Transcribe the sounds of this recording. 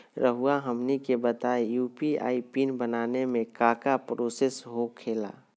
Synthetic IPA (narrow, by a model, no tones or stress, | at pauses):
ɾəɦuaɦəmnikebət̪aːejuːpia̰ːipiːnbənaːnemẽkaːkapɾoːsesɦokʰeːla̰ː